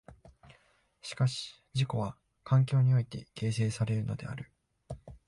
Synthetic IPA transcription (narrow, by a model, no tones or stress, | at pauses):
ɕi̥kaɕi̥ | d͡ʑiko̞β̞a | kʰãŋk̬ʲo̞ːɲ̟io̞it̪e̞̰ke̞ːse̞ːsaɾe̞ɾɯ̟no̞̰d̪e̞̰a̰ɾɯ̟